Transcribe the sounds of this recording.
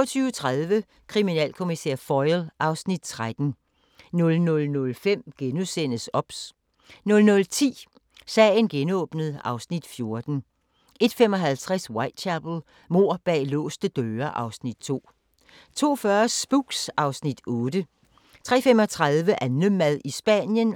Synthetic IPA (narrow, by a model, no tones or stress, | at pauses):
ɐt͡sʰyːʊət͡sʰʁaðˠʋə | kʰʁiminɛ̰ːlkʰo̝misḛɐ̰fɒɪlʔɑ̈ʊsnid̥̚t͡sʰʁad̥n̩ | nɔ̽lnɔ̽lnɔ̽lfem̰ɡ̥enusen̰əsɒ̽b̥s | nɔ̽lnɔ̽lt͡sʰḭː | sɛ̰ːɪnɡ̥enɔ̽ːb̥nəð̩ˠɑ̈ʊsnid̥fjo̝ɐd̥n̩ | e̝d̥femɒ̽ɦælt͡sʰʁaswɑ̈ɪd̥̚t͡ɕʰæb̥l̩ˠ | mo̝ɐ̰b̥ɛ̰ːlɔ̰̽ːsd̥əd̥øːɐʔɑ̈ʊsnid̥̚t͡sʰo̝̰ː | t͡sʰo̝̰ːfɶɐsb̥uɡ̥sʔɑ̈ʊsnid̥ɔːd̥ə | t͡sʰʁɛ̰ːfem̰ɒ̽t͡sʰʁaðˠʋəʔænləmæðˠisb̥ænjən